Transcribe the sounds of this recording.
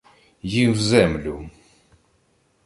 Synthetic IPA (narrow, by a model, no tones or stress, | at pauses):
jivzæmlu